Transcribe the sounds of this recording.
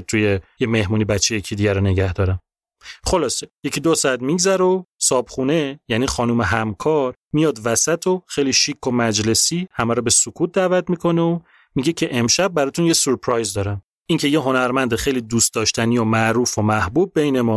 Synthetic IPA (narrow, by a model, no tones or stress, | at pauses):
t̪ʰujejeme̞hmuːnibæt͡ʃʰːejecʰiːd̪iːɟæɾone̞ɟæhd̪ɒːɾæm | χo̞lɒːseje̞cʰiːd̪osɒæt̪miɟzæɾosɒːb̥χune̞jæniːxɒːnuːmeɦæmkʰɒːɾ | mijɒːd̪væsæt̪ʰoxejliːʃikʰːo̞mæd͡ʒle̞siːhæmæɾɔbe̞sokʰuːt̪̚d̪æːvæt̪mikʰo̞neo | miɟe̞cʰeʔemʃæb̚ːæɾɒːt̪ʰunjesoɾpʰɾɒjzd̪ɒːɾæm | iːŋcʰe̞jeɦo̞næɾmænd̪exejlid̪uːst̪d̪ɒːʃt̪ʰænijomæʔɾuːfomæhbuːb̚ːejnemɒː